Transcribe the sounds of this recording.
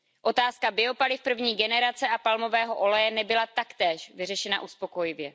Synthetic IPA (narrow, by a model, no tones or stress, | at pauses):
ʔo̞t̪aːskabɪo̞palɪfpr̩vɲiːɡɛnɛɾat͡sɛapalmovɛːɦo̞ʔo̞lɛjɛnɛbɪlat̪akt̪ɛːʃvɪr̝ɛʃɛna̰ʔuspo̞ko̞jɪvjɛ